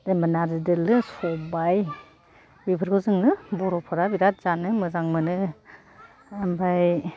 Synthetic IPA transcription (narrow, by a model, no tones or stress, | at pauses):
dembanaɾzidɯlɯsɔbaj | bibʰɯɾkʰɯzɯŋnɯbɔɾɔpʰɔɾabiɾat̚z̥anɯmɯzaŋmɯnɯ | ambaj